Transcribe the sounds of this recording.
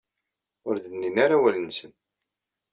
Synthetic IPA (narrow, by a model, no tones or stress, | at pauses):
ʊɾðənːinaɾawælənsən